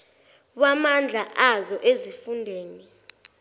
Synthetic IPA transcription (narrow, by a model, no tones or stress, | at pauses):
wamand͡ɮʱaʔazɔʔezifundʱeːni